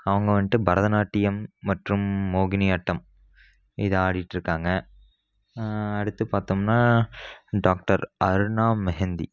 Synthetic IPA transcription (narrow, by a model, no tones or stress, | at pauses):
ɐʋɐŋɡɐʋɐnʈːɯbɐɾɐðɐnaːʈːɪjɐmːɐʈrɯmːoːɣɪnɪɐʈːɐm | ɪðɯaːɽɪjɪʈːɾɯkːaːŋɡɐ | ɐɽɯt̪ːɯpaːɾt̪ɯmnaː | ɖaːk̚ʈɐɾɐɾɯɳaːmːɛɦɛnd̪ḭ